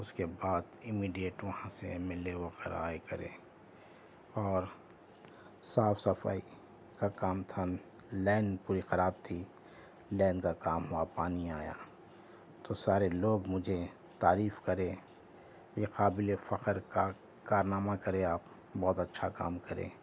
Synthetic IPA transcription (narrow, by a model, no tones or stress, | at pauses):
ʊskebaːd̪ɪmiːɖijeʈʋɐhãsemɪleʋɐɣɛːɾa̰ːekɐɾḛ̃ː | ɔːɾ | saːfsɐfa̰ːi | kakaːmt̪ʰa | lɛːnpuːɾixɐɾaːb̚t̪ʰi | lɛ̃ːnkakaːmɦuapaːniaːja̰ | t̪osaːɾeloːɡmʊd͡ʒʱe | t̪aːɾiːfkɐɾẽː | jeqaːbɪlefɐqəɾka | kaːɾnaːmakɐɾẽaːp | bɔːt̪ɐtːʃʰaka̰ːmkɐɾḛ̃ː